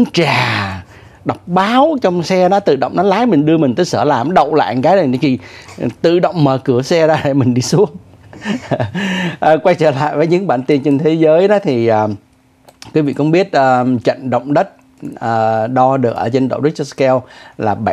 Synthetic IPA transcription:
ŋt͡ɕaː˨˩ | ɗa˨˩wk͡p̚ɓaː˨˦wt͡ɕɔ˧wŋ͡msɛ˧ɗɔ˨˦t̪ɨ̰˧˨ɗə̰˧˨wŋ͡mnɔ˨˦laː˨˦jmï˨˩ŋ̟ɗɨ˧əmï˨˩ŋ̟t̪əː˨˦səː˧˩laː˨˩mɗə̰˧˨wŋ͡mla̰ː˧˨jŋkaː˨˦jɗɨ˨˩˨k̪ʰi˨˩˨t̪ɨ̰˧˨ɗə̰˧˨wŋ͡mməː˨˩kɨ˧˩əsɛ˧zaː˧˩ɗe˧˩mï˨˩ŋ̟ɗi˧su˨˦˥əŋ | ʔːkwa˧jt͡ɕəː˧˩la̰ː˧˨jvəː˨˦jɲɨ̰˧˥ŋɓaː˧˩nt̪i˧ənt͡ɕe˧nt̪ʰe˨˦zəː˨˦jɗɔ˨˦t̪ʰi˨˩ʔəː˨˩ | kwi˨˦vḭ˧˨kʊ̰˧˥ŋ͡mɓi˦˥ət̚ʔəː˨˩t͡ɕə̰˧˨nɗə̰˧˨wŋ͡mɗə˦˥t̚ | əː˨˩ɗɔ˧ɗɨ˨˩ək̚ʔəː˧˩t͡ɕe˧nɗo̰˧˩wɗɨ˦˥k̚kɛ˧wlaː˨˩ɓa˧˨

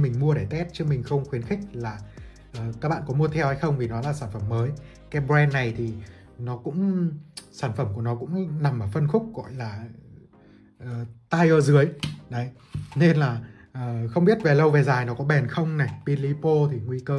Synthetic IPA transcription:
mï˨˩ŋ̟mu˧əɗe˧˩t̪ɛ˦˥t̚t͡ɕɨ˦˥kmï˨˩ŋ̟xə˧wŋ͡mxwi˨˦nxï˦˥k̚laː˨˩ | ʔəː˨˩ka˦˥k̚ɓa̰ː˧˨kɔ˨˦mu˧ət̪ʰɛ˧wha˧jxə˧wŋ͡mvi˨˩nɔ˨˦laː˨˩saː˧˩nfə˧˩mːəː˨˦j | kaː˨˦jɓɾɛ˧nːa˨˩jt̪ʰi˨˩ | nɔ˨˦kʊ̰˧˥ŋ͡msaː˧˩nfə˧˩mku˧˩ənɔ˨˦kʊ̰˧˥ŋ͡mna˨˩mʔəː˧˩fə˧nxʊ˦˥k͡p̚ɣɔ̰˧˨jlaː˨˩ | ʔəː˨˩t̪aː˧jʔəː˧zɨ˨˦əjɗə˨˦j | ne˧nlaː˨˩ | ʔəː˨˩xə˧wŋ͡mɓi˦˥ət̚ve˨˩lə˧wve˨˩zaː˨˩jnɔ˨˦kɔ˨˦ɓɛ˨˩nxə˧wŋ͡mna˨˩pi˧li˧˦po˧t̪ʰi˨˩ŋwi˧kəː˧

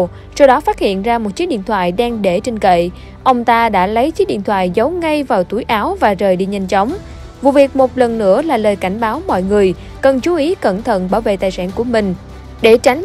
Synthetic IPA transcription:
sɔ˧wɗɔ˨˦faː˦˥t̚hḭ˧˨ənzaː˧mo˨˩t̚t͡ɕi˨˦˥ɗḭ˧˨ənt̪ʰwa̰ː˧˨jɗaː˧ŋɗe˧˩t͡ɕï˧ŋ̟kə̰˧˨j | ʔə˧wŋ͡mt̪aː˧ɗa̰ː˧˥lə˨˦jt͡ɕi˨˦˥ɗḭ˧˨ənt̪ʰwa̰ː˧˨jzə˨˦wŋa˧jvaː˨˩wt̪u˨˧˩jʔaː˨˦wvaː˨˩zəː˨˩jɗḭ˧˨ɲa˧jŋ̟t͡ɕə˨˦wŋ͡m | vṵ˧˨vi˨˩ək̚mo˨˩t̚lə˨˩nːɨ̰˧˥əlaː˨˩ləː˨˩jka˧˩jŋ̟ɓaː˨˦wmɔ̰˧˨jŋɨ˨˩əj | kə˨˩nt͡ɕu˨˦ʔi˨˦kə˧˩nt̪ʰə̰˧˨nɓaː˧˩wvḛ˧˨t̪aː˨˩jsaː˧˩nku˧˩əmï˨˩ŋ̟ | ɗe˧˩t͡ɕa˨˦jŋ̟

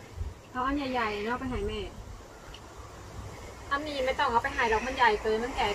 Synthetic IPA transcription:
pʰɔ˦˥ʔa˧˥˨njaː˨˩jːa˨˩ja˨˩nɔː˥˩k̚pa˧jɦaː˨˩˦jmɛː˧˨˩ | ʔa˧mniː˧˩˨nmaː˧˩t̪ɔ˧˩ŋʔa˧˩pa˧jɦaː˨˦jlɔː˧˩k̚ma˧˨nja˨˩jkɤː˧˥˦ma˧˥˨ŋkɛː˨˩

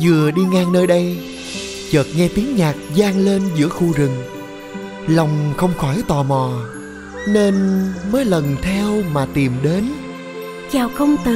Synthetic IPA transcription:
zɨ˨˩əɗi˧ŋaː˧ŋnəː˧jɗə˧j | t͡ɕəː˨˩t̚ŋɛ˧t̪i˨˦əŋɲaː˨˩k̚zaː˧ŋle˧nzɨ̰˧˥əxu˧zɨ˨˩ŋ | la˨˩wŋ͡mxə˧wŋ͡mxɔ˧˩jt̪ɔ˨˩mɔ˨˩ | ne˧nməː˨˦jlə˨˩nt̪ʰɛ˧wmaː˨˩t̪i˨˩mɗe˨˦n | t͡ɕaː˨˩wxə˧wŋ͡mt̪ɨ˨

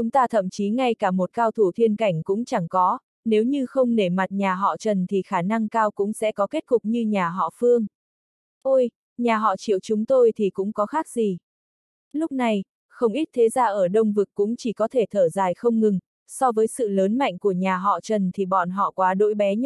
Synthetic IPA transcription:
t͡ɕʊ˨˦ŋ͡mt̪aː˧t̪ʰə̰˧˨mt͡ɕi˨˦ŋa˧jkaː˧˩mo˨˩t̚kaː˧wt̪ʰu˧˩t̪ʰi˧ənka˧˩jŋ̟kʊ̰˧˥ŋ͡mt͡ɕa˧˩ŋkɔ˨˦ | ne˨˦wɲɨ˧xə˧wŋ͡mne˧˩ma˨˩t̚ɲaː˨˩ɦɔ̰˧˨t͡ɕə˨˩nt̪ʰi˨˩xaː˧˩na˧ŋkaː˧wkʊ̰˧˥ŋ͡msɛ̰˧˥kɔ˨˦ke˦˥t̚kʊ˨˩k͡p̚ɲɨ˧ɲaː˨˩ɦɔ̰˧˨fɨ˧əŋ | ʔo˧j | ɲaː˨˩ɦɔ̰˧˨t͡ɕḭ˧˨əwt͡ɕʊ˨˦ŋ͡mt̪o˧jt̪ʰi˨˩kʊ̰˧˥ŋ͡mkɔ˨˦xaː˦˥k̚zi˨˩ | lʊ˦˥k͡p̚na˨˩j | xə˧wŋ͡mʔi˦˥t̚t̪ʰe˨˦zaː˧ʔəː˧˩ɗə˧wŋ͡mvɨ˨˩kkːʊ̰˧˥ŋ͡mt͡ɕi˧˩kɔ˨˦t̪ʰe˧˩t̪ʰəː˧˩zaː˨˩jxə˧wŋ͡mŋɨ˨˩ŋ | sɔ˧vəː˨˦jsɨ̰˧˨ləː˨˦nma̰˧˨jŋ̟ku˧˩əɲaː˨˩ɦɔ̰˧˨t͡ɕə˨˩nt̪ʰi˨˩ɓɔ̰˧˨nɦɔ̰˧˨kwaː˨˦ɗo̰˧˥jɓɛ˨˦ɲ

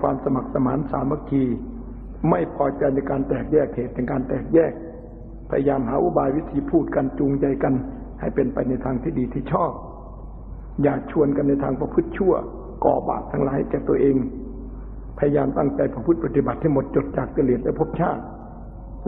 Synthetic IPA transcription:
waː˧msa˧ma˨˩k̚sa˧maː˨˦nsaː˨˦mːa˧kʰiː˧ | ma˥˩jpʰɔː˧˩t͡ɕa˧jna˧˩jkaː˧nt̪ɛː˨˩k̚jɛː˥˩k̚hʰeː˨˩t̪̚ːe˧ŋkaː˧nt̪ɛː˨˩k̚jɛː˥˩k̚ | pʰa˧ja˧jaː˧mɦaː˨˦ʔṵ˧˥˨baː˧jwi˦˧˥t̪ʰiː˧˦pʰuː˥˩t̪̚ka˧nt͡ɕuː˧ŋt͡ɕa˧jka˧n | ha˨˩jpe˧npa˧jna˧jt̪ʰaː˧ŋt̪ʰiː˧˩diː˨˧t̪ʰiː˧˥˩t͡ɕʰɔː˥˩p̚ | jaː˨˩k̚t͡ɕʰu˧ənka˧nːa˧jt̪ʰaː˧ŋpa˧pʰɯ˦˥˩t̪̚t͡ɕʰu˥˩ɐ | kɔ̰ː˨˩ba̰ː˨˩p̚t̪ʰa˧ŋlaː˨˦jhkɛː˧˩t̪u˧əʔeː˧ŋ | pʰa˧ja˧jaː˧mt̪a̰˥˩ŋt͡ɕa˧jpa˧pʰɯ˦˥˩t̪̚pa˧t̪i˧ba˨˩t̪ʰːa˥˩jmo˧˦t̪̚t͡ɕo˧˦t̪̚t͡ɕaː˨˩k̚t̪i˧˨le˨˩t̪̚lɛ˦˥˩pʰo˧˥˩p̚t͡ɕʰaː˥˩t̪̚

